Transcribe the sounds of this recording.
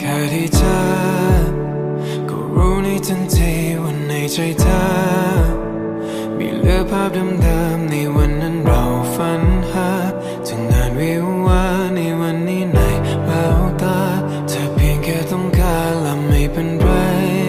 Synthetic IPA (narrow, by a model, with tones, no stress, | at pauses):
kʰaː˧˩t̪ʰiː˧˩t͡ɕʰa˧ | kɔ̰˧˩ɾuː˦˥na˧˥jt͡ɕa˧˥nt͡ɕa˧jwa˧nːa˨˧jt͡ɕʰa˧jt͡ɕʰa˧˥ | mḭː˧˥lɯ˧˥˩əpʰaː˥˩p̚da˧mdəː˧mna˧jwa˧nːa˧˥nɾa˨˧˩wfa˧˥nha˧˥ | t͡ɕɯ˨˩ŋːaː˧nwi˧˥ | waː˧˥na˧jwa˧nːiː˥˩na˨˩j | la˧wt̪aː˧˥ | t͡ɕʰa˧˩pʰi˧əŋkɛː˧˩t̪ɔ˥˩ŋkaː˧ | nla˧˩mːa˧˩jpe˧npa˧j